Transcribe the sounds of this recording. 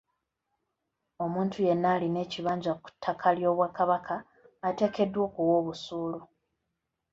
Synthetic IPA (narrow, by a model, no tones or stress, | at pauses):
o̞muːntuje̞nːaːline̞ːciβaːɲɟaku̥tʰːakʰaljo̞ːβwaːkaβakʰaː | te̞ke̞dːwo̞ːkuwo̞ːβusuːlu